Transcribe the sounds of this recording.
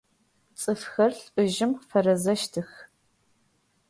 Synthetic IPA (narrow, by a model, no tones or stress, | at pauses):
t͡sʼɨfxɐrɬʼɨʒɪmfɐrɐzɐʃtʰɨx